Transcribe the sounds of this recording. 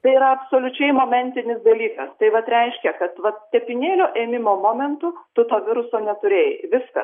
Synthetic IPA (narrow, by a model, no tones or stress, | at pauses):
t̪ɐɪiɾɐɐpsoːlʲʊt͡ʃʲɛɪmoːmʲɛnʲt̪ʲɪnʲɪsd̪ɐlʲiːkɐst̪ɐɪʋɐt̪ɾʲɛɪʃʲkʲɛkɐt̪ʋɐt̪t̪ʲɛpʲɪnʲeːlʲoːʔeːmʲɪmoːmoːmʲɛnt̪ʊt̪ʊt̪oːʋʲɪɾʊsoːnʲɛt̪ʊɾʲeːjʋʲɪskɐ̰